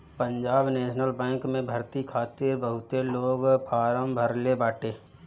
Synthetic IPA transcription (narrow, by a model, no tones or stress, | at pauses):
pə̃ɲd͡ʒaːbneːʃnəlbɛ̃ːŋkmẽbʱəɾt̪ikʰaːt̪ɪɾbəɦʊt̪eloːɡpʰaːɾəmbʱəɾlebaːʈeː